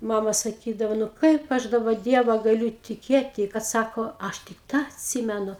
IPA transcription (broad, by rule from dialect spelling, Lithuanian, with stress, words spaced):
ˈmɑːmɐ sɐˈkʲiːdɐʋɐ nʊ ˈkɐɪp ɐʃ dɐˈbɐ ˈdʲiɛʋɐ ɡɐˈlʲʊ tʲɪˈkʲeːtʲɪ kɐt ˈsɑːkoː ˈɐʃ tʲɪk ˈtɑː ɐtʲˈsʲiːmʲɛnʊ